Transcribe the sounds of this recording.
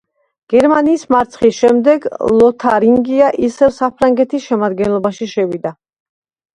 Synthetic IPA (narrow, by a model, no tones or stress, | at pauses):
ɡ̥ɛɾmaniːsmaɾt̪sʰχisʃɛmd̪ɛɡlˠɔt̪ʰaɾiŋɡiaʔisɛvsapʰɾaŋɡɛt̪ʰisʃɛmad̪ɡɛnlˠɔbaʃiʃɛvid̪a